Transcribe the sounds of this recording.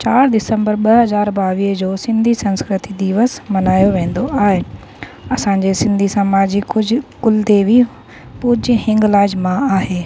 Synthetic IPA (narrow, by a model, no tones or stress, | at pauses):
t͡ɕaːɾd̪ɪsə̃mbəɾɓɐɦɐzaːɾbaːʋiːɦəd͡ʑoːsɪ̃nd̪ʱisɐ̃nskɾɪt̪id̪iːʋəsmɐnaːjoʋẽːn̆d̪oʔaːɦe | ɐsãɲd͡ʑesɪ̃nd̪ʱisamaːd͡ʑikʊkʊld̪ebi | pʊːd͡ʑihɪ̃ŋɡlaːd͡ʑmãaːɦeː